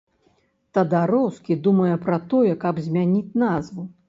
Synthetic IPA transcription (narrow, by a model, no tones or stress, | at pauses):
t̪ɐd̪aɾɔwskʲid̪umɐjɛpɾɐt̪ɔjɛkɐbzʲmʲanʲit͡sʲnazvu